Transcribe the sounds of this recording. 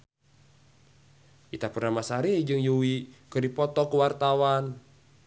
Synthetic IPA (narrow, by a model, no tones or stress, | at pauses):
ʔit̪apərnamasaɾid͡ʒɨŋjuwikərdipɔt̪ɔkuwart̪awan